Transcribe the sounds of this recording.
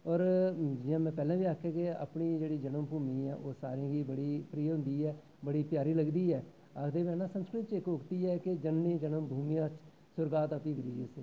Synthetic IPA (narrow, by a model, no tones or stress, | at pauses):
ɔːɾd͡ʒɪjãːmɛ̃ːpɛːlãːʋiːaːkʰːjaːkea̰ːpɳiːd͡ʒeːɽiːd͡ʒənəmpuːmiːɛ̰ːʔoːsa̰ːɾeãːɡiːbəɽiːpɾiːɦʊ̃nd̪iːɛː | bəɽiːpjaːɾiːləɡd̪iːɛː | akʰd̪eːʋɛ̃ːnãːsə̃nskɾɪt̪t͡ʃɪkʋʊkt̪iːɛːked͡ʒənːĩːd͡ʒənəmbʱuːmiːãːt͡ʃ | sʊɾɡaːt̪apĩːɡəɾiːd͡ʒiʊseː